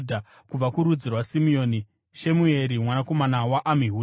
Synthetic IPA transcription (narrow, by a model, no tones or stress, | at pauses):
dʱa | kub͡vakuɾud͡zirwasimio̞ːni | ʃe̞mue̞ɾimwanako̞manawaʔamiɦu